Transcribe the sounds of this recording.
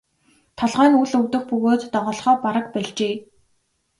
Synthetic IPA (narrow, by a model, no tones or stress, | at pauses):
t̪ʰɔɮʁaːnuɮɵwt̪ɵ̆xpɵɣoːt̪ːɔʁɔːɮχœːpaɾə̆k̚pæɮt͡ɕeː